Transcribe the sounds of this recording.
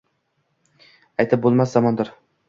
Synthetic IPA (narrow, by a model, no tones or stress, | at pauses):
ajt̪ʰɪp̚bolˠmaszɒmɒnd̪ɪɾ